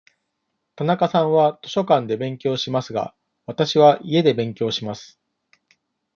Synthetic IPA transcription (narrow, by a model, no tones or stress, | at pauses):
t̪anakasãɰ̃βat̪o̞ɕo̞kãnd̪e̞bẽ̞ŋkʲo̞ːɕimasɨɡa̰ | βat̪aɕiβaʔie̞d̪e̞bẽ̞ŋkʲo̞ːɕimasɨ̥